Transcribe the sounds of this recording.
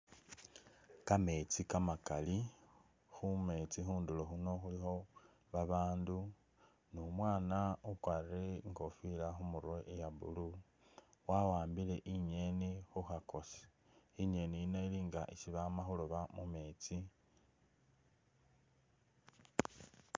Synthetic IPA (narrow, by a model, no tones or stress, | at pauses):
kame̞t͡sikamakali | xume̞t͡sixuːndulo̞xuno̞xulixo̞ | βaβaːndu | nomwaːnaukwaɾeŋɡo̞filaxumuɾwoʔejaβṵlu | wawaːmbile̞ʔiɲe̞nixuxako̞se̥iɲe̞niinoiliːŋɡaʔisiβamaxuloβamume̞ːt͡si